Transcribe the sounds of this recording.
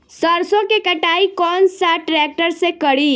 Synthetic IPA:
səɾsõkekəʈaːikɔːnsaʈɾɛːk̚ʈəɾsekəɽiː

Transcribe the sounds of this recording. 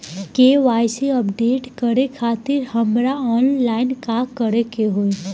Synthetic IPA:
keːʋaːjseəpɖeːʈkəɾekʰaːt̪ɪɾhɐmɾaɔːnlaːɪnkakəɾekeɦoe

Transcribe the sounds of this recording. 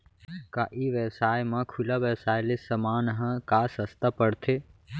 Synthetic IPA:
kaʔiʋesaːjmãkʰulaʋɛsaːjlesəmaːnɦə̃kaːsəst̪apəɽt̪ʰe

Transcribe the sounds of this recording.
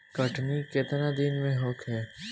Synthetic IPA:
kɐʈnikɪt̪nad̪ɪnmẽɦoːkɦɛː

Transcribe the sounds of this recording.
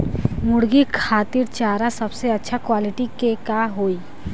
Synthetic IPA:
mʊɽɡikʰaːt̪iɾt͡ʃaːɾasɐbseɐtːʃʰakwaːlɪʈikekaɦoːiː

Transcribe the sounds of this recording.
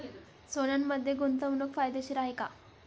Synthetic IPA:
sonanːəd̪ʱːjeɡunt̪əʋnəkfajd̪eɕiɾaɦjka

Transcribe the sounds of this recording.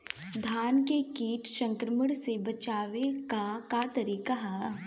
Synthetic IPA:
d̪ʱaːnkekiːʈʃɐ̃ŋkɾəməɽsebɐt͡ʃaːʋekakat̪ɐɾiːkaɦa

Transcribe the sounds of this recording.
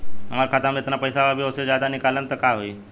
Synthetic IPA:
ɦam̤aɾkʰat̪amet̪napəjsaʋabʱiəsed͡ʑad̪anikalːənt̪əɾkaɦoi

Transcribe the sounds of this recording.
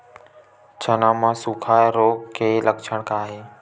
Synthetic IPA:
t͡ʃʰənãːmãːsukʰaːɾoːɡkʰːeːləkt͡ʃʰəɽ̃kaːɦeː

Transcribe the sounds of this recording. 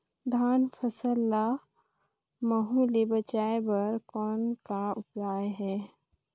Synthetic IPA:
d̪ʱaːnfʰɐsəlːa | mɐɦulebət͡ʃaːebɐɾkɔːnkaʊpɾaːjɦɛː

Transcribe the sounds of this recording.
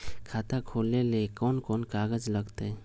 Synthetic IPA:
kʰat̪akʰolelekɔnkɔnkaɡəd͡ʒləɡt̪e

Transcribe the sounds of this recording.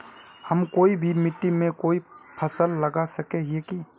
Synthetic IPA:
həmkoːibʱimɪʈːimẽkoːipʰəsəlːəɡasəkeɦieki

